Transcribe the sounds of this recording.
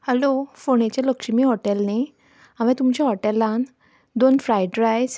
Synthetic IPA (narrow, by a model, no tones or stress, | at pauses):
həlofoɳ̃et͡ɕeləkʂəmiːɦɔʈɛlne | aʋɛ̃t̪umt͡ɕaɦɔʈɛlːãn | d̪onfɾajɖɾajs